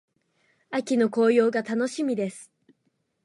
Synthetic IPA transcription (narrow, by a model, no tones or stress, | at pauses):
akʲino̞ko̞ːjo̞ːɡat̪ano̞ɕimʲid̪e̞sɨ̥